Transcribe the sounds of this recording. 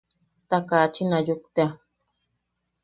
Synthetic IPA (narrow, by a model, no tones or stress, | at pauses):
t̪akaːt͡ʃinajukt̪ea